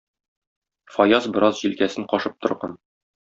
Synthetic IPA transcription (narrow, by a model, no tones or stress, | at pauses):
fɒjɑzbɤ̆ɾɑzʑilkæsɘɴqɒʃɤp̚t̪ŏɾʁɑn